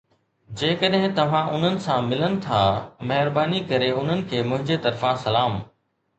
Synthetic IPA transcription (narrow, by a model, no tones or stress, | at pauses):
d͡ʑeːkəɗɦɪ̃t̪ɐʋ̤ãʔʊn̤ənɪ̆sãmɪlənɪ̆t̪ʰamɐɦɪɾbaːnikɐɾeʊn̤ənɪ̆kʰeːmʊ̃ɦɪ̃ɲd͡ʑet̪ɐɾfãsɐlaːm